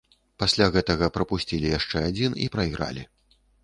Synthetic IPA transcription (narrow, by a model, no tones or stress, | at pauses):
pasʲlʲaɣɛt̪ɐɣɐpɾɐpusʲt͡sʲilʲijaʂt͡ʂɛad͡zʲinḭpɾɐiɣɾa̰lʲi